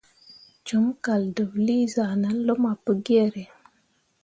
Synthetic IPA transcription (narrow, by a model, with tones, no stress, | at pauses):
d͡ʒu˨˦mka˨ldə˨wli˦za˨na˦n˦lo˦ma˨pə˦ɡe˦˨ɾe˨